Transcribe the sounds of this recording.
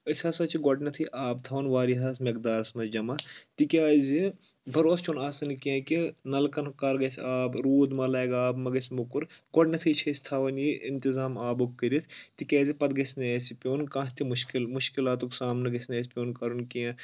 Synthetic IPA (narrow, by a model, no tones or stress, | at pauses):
əsʲasɐt͡ʃʰiɡɔʈnɐt̪ʰiʔaːbt̪ʰɐʋɐnʋaːɾiɦɐsmɐk̚d̪aːɾsmɐd͡ʒɐmat̪ikʲaːzʲi | bʱɐɾoːst͡ʃʰonaːsɐnkiãːkinɐlkɐnkɐɾɡɐsʲaːbɾuːd̪mɐlɐːjɡaːbmɐɡɐsʲmukuɾɡɔʈnʲɐt̪ʰit͡ʃʰeːsʲt̪ʰɐʋɐnjiʔɪnt̪izaːmaːbukkːɨɾʲit̪ʰt̪ikʲaːzipɐd̪ɡɐsʲneːsipʲoːnkãːt̪imuʃkilmuʃkilaːt̪uksaːmnɐɡɐsʲneːsʲpʲoːnkɐɾunkijã